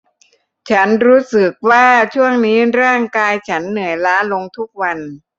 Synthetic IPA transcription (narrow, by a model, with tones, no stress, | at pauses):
t͡ɕʰa˦˥nɾuː˦˥sɯ˨˩k̚waː˥˩t͡ɕʰu˥˩əŋniː˦˥ɾaː˥˩ŋkaː˧jt͡ɕʰa˦˥nːɯ˩˦jlaː˦˥lo˧ŋt̪ʰu˦˥k̚wa˧n